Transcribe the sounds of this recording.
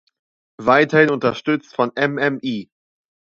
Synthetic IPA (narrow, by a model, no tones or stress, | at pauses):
vaɪtɐhɪnʊntɐʃtʏt͡stfɔnʔɛmɛmʔiː